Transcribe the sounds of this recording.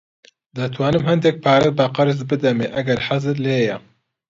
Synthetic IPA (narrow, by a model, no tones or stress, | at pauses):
d̪ɐt̪ʰwaːnɨmɦɨnd̪ek̚pʰaːɾɛbaqɑɾɨzbɨd̪ɛmeːʔɐɡɐɾħazɨɾleːjɛ